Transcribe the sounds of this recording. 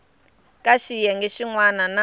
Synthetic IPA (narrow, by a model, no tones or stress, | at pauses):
kʼaʃijɛŋɡeʃiŋwanana